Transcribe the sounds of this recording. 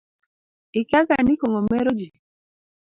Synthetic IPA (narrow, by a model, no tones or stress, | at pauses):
ɪkakanikoŋomɛɾod͡ʒi